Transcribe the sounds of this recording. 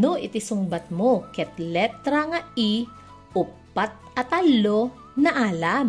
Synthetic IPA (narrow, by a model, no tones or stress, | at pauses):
noʔɪt̪ɪsʊŋbɐt̪̚mokɛt̪lɛp̚t̪ɾɐŋɐi | ʔʊpːat̪̚ | ɐt̪ɐlːo | nɐʔaːlam